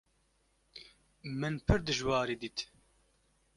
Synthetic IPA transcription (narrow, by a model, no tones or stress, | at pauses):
mɨnpʰɨɾd̪ɨʒwɑːɾiːd̪iːt̪